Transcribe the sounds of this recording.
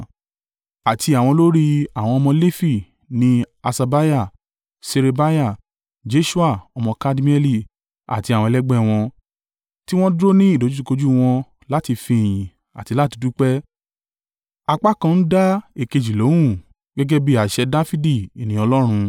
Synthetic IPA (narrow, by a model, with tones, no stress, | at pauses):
a˨tʰi˧a˨w̃ɔ̃˧lo˦ɾi˦a˨w̃ɔ̃˧ɔ˧mɔ̃˧le˦fi˦˨ | nĩ˧˦ | a˧sa˧ba˦ja˦˨ | se˧ɾe˧ba˦ja˦˨ | d͡ʒe˨˦ʃu˦a˦˨ɔ˧mɔ̃˧ka˦di˦mĩ˦ɛ˦li˦˨ | a̰˨ti˧˦a˨wɔ̃˧ɛ˧lɛ˦ɡ͡bɛ˦˨w̃ɔ̃˧ | ti˦w̃ɔ̃˦dɾo˦nĩ˦i˦˨do˨˦d͡ʒu˦u˧ko˧d͡ʒu˦w̃ɔ̃˧ | la˦ti˧fĩ˧˨j̃ĩ˨ | a̰˨ti˧la˦ti˧du˦k͡pɛ˦ | a˧k͡pa˦kã˧n̩˦da˦e˦˨ke˧d͡ʒi˨lo˨˦wũ˦˨ | ɡɛ˦ɡɛ˦bi˦a˨ʃɛ˧da˦fi˦di˦˨i˨nĩ˨˦ɔ˧lɔ˦ɾ̃ũ˧